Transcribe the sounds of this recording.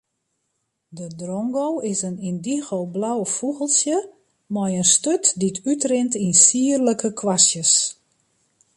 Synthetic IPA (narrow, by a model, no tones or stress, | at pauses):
dədrɔŋɡowɪsənindiɣowblawfuɣəlˠsjə | mɔjənstøtditʰytrɪntinsiːərləkʰəkʰwasjəs